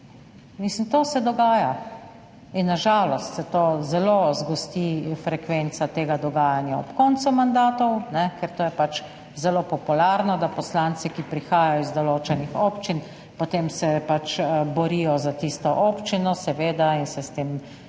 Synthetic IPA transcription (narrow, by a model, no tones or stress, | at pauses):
mislimt̪oːsɛd̪ɔɡaːja | inːaʒaːlɔst̪sɛt̪oːzɛlozɡɔst̪ifɾɛkʋent̪sat̪eːɡad̪ɔɡaːjanjaɔ̰pkɔnt̪sumand̪aːt̪ɔwnɛkɛɾt̪oːjɛpat͡ʃ | zɛloːpɔpulaːɾnɔd̪apɔslaːnt̪sɛkipɾixaːjajɔizd̪ɔloːt͡ʃɛnixopt͡ʃin | pot̪eːmsɛpat͡ʃbɔɾijɔzat̪iːst̪ɔʔoːpt͡ʃinɔsɛʋeːd̪ainsɛst̪eːm